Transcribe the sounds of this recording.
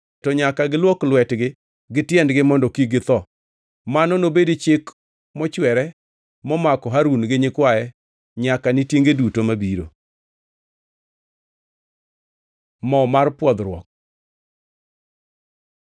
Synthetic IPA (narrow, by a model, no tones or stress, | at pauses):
tɔɲakaɡɪlwɔklwɛtɡɪ | ɡɪtjɛndɡɪmɔndɔkiɡɪt̪ɔ | manɔnobedit͡ʃɪk | mɔt͡ʃwɛɾɛ | mɔmakɔɦaɾunɡɪɲɪkwaɛ | ɲakanɪtjeŋɡedutomabiɾo̰ | mɔmarpwɔd̪ɾwɔ̰k̚